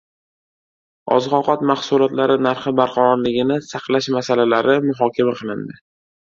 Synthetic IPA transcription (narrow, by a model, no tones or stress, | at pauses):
ɒ̰zʁɒqɒt̪mahsʊlˠɒt̪laɾɪnaɾχɨbaɾqʰɑɾɒɾlɪɡʲɪnɪsɑqlˠaʃmasalalaɾɪmʊɦɒkʲamaqʰɨlˠɪnd̪ɪ